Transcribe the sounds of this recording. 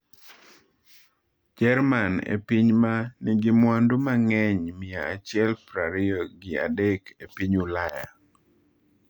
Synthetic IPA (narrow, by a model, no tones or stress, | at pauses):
d͡ʒɛɾmanḛpiɲmaniɡɪmwandomaŋɛɲmɪaat͡ʃɪɛlpɾaɾɪɔɡɪa̰dɛkepiɲulaja̰